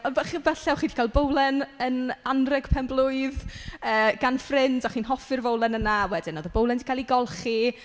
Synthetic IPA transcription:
ɔnbɛχibɛɬɛwχiːndʰi̥kalˠbowlˠɛnənanrɛɡ̥pʰɛmblˠʊɨðəːɡ̥anfrɪndaχiːnɦɔfɨrvowlˠɛnənawɛdɪnɔːðəbowlˠɛndikalˠiɡɔlˠχi

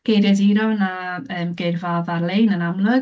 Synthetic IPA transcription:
ɡ̥ejrjadiɾɔnaəːmɡervavarlˠejnənamlˠʊɡ

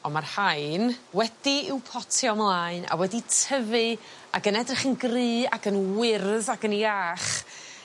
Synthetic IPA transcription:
ɔmarhajnwɛdiɪwpʰɔtʰiɔmlˠaɨna̰wɛditʰəvɨ | aɡənɛdrɪχənɡrɨːaɡənwɪrðaɡəniaχ

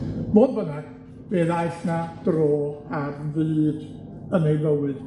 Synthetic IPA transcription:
moːdbənaɡ̥ | b̥eːðajɬnad̥roːarviːd | ənejləwɨd̥

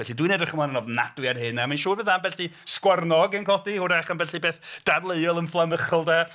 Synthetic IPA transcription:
ɛɬidwinedaχəmanənɔvnadwiarɦɨnɛmanʃuːvɨðambɛɬdiskwarnɔɡənkʰɔdihʊɾaχənbɛɬibeːθd̥adlˠeɨɔlˠənflˠaməχɔlˠda

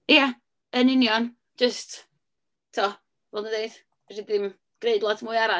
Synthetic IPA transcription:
ja | ənɪnjɔn̥ | d͡ʒəst | tʰɔ | vɔlˠdədeɨd̥ | ridɪm | ɡ̥ɾeɨdlˠɔtʰmuːjaɾa

